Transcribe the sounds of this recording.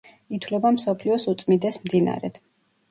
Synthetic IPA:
it̪ʰwlɛbamsɔpʰliɔsut̪sʼmind̪ɛsmd̪ina̰ɾɛ̰d̪̥

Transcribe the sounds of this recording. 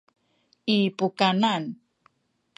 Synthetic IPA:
ipukanan

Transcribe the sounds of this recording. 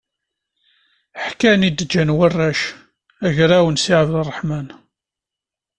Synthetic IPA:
ħkænid̪əd͡ʒːænwərːæʃ | æʝɾæwənsiʕəvlərˤːəħmæn

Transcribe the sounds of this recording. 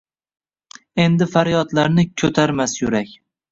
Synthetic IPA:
e̞nd̪ɪfaɾjɒt̪laɾnɪkʲʰɵt̪ʰaɾmasjʊɾakʲ

